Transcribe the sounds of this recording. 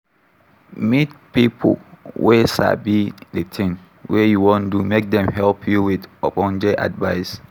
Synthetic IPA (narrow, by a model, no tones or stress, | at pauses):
mit̚pipʰo̰wʔesa̰bidetʰɪ̃ŋ | wejuwɔ̃ndumek̚dɛ̃mhɛlpʰjuwidɔpɔ̃nd͡ʒeʔa̰dvaɪs